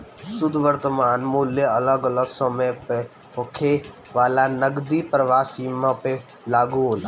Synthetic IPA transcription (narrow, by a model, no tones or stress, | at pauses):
sʊd̪ʱʋəɾt̪əmaːnmuljəɐləɡələɡsəməjpe | ɦokʰe | ʋaːlanəɡd̪ipɾəʋaːsiːmãpe | laːɡuɦoːla